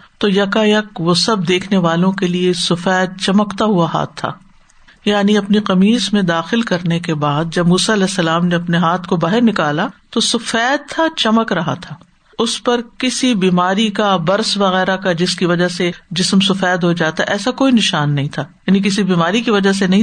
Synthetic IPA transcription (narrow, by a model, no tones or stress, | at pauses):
t̪oːjɐkajɐkʋosɐb̚d̪eːkʰneʋaːlõkeliesʊfɛːd̪̚t͡ʃɐməkt̪aɦuaɦa̰ːt̪ʰːa̰ː | jaːniɐpniqɐmiːsmẽd̪aːxɪlkɐɾnekebaːd̪̚d͡ʒɐbmuːsaɐlɛːsːɐlaːmneɐpneɦaːt̪ʰkobaːɦɪɾnɪkaːlat̪osʊfɛːd̪̚t̪ʰat͡ʃɐməkɾɐɦa̰t̪ʰaː | ʊspɐɾkɪsibiːmaːɾikabɐɾsʋɐɣɛːɾakad͡ʒɪskiʋɐd͡ʒased͡ʒɪsmsʊfɛːd̪ɦod͡ʒaːt̪aɛʔɛːsakoːinɪʃaːnːɐɦĩt̪ʰaːjaːnik̬ɪsibiːmaːɾikiʋɐd͡ʒas̬enɐɦĩ